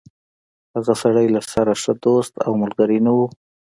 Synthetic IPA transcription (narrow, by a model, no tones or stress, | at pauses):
haɣasaɽəjlasaɾaʂəd̪ost̪a̰wmʊlɡaɾinawu